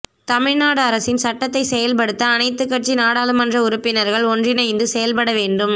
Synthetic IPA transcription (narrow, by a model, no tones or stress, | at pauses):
t̪ɐmɪɻnaːɽɯɐɾɐsɪnsɐʈːɐt̪ːɐɪsɛjɐlpɐɽɯt̪ːɐːnɐɪt̪ːɯkːɐʈ̚t͡ʃinaːɽaːlɯmɐndrɐʊɾʊpːɪnɐɾɣɐɭɔndrɪnɐɪnd̪ɯsɛjɐlpɐɽɐʋeːɳɖɯm